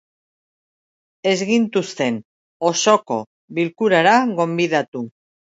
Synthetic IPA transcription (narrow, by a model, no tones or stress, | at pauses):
e̞zɣint̪ust̪e̞n | oso̞ko̞ | βilkuɾaɾaɣo̞mbiðat̪u